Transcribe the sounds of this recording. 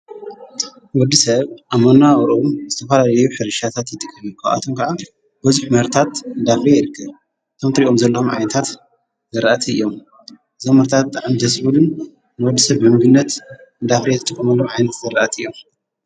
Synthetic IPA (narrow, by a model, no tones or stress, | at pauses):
wɔd̪ːisɐβʔamonawɾʔomzɨt̪ʰɐfɐlalɐjuħɨɾɨʃat̪ʰat̪jɨt̪ʼɨkʼːɐmikʰːaʔa̰t̪ʰomkʰɐʕa | b̥ɐzuħmɐɾt̪ʰat̪ɨnd̪afɾejɪɾɨkʰːɐβ | t̪ʰomt̪ʰɐɾiʔʼomzɐlːɐomʕa̰jnɐt̪ʰat̪ | zɐɾaʔat̪ʰiɨ̰jːom | ʔɨzomɐɾt̪ʰat̪ʕand̪ɐsbulɨn | nɨwɔd̪ːisɐβɨmɨɡɨnːɐt̪ɨnd̪afɾezɨt̪ʼɨkʼːɐmɐlːomʕajnɐt̪zɐɾɐʔɐt̪ʰɨjːo̞m